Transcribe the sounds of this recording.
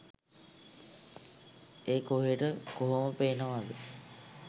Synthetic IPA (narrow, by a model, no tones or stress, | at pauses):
eːkoɦeʈəkoɦoməpeːnəʋad̪i